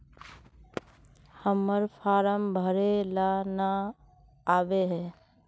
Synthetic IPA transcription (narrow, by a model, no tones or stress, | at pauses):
həmːəɾpʰaːɾəmbʱəɾelana | aːbeɦɛː